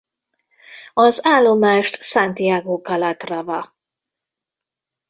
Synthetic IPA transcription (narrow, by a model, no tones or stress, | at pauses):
ɒzaːlːo̞maːʃt̪sant̪iaːɡoːkɒlɒt̪rɒvɒ